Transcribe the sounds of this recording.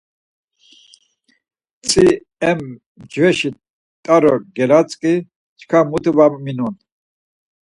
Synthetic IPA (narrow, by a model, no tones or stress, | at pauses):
t͡sʼi | ɛm | d͡ʒvɛʃi | t̪ʼaɾɔɡɛɾat͡sʼkʼi | t͡ʃʰkʰamut̪ʰvamminun